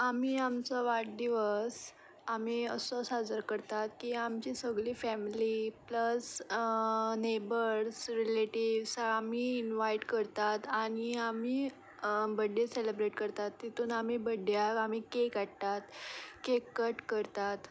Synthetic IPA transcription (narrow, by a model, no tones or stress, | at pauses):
amiːamt͡saʋaʈ̚d̪iʋəs | amiːəsɔsad͡zəɾkəɾt̪at̪kiːamt͡ɕisəɡɭifɛmlipləs | nebəɾsɾileʈiʋsamiinʋaiʈkəɾt̪at̪añiami | bəɖːeselebɾeʈkəɾt̪at̪ːit̪uːnam̤ibəɖjakam̤ikekaɽt̪at̪kekːəʈkəɾt̪at̪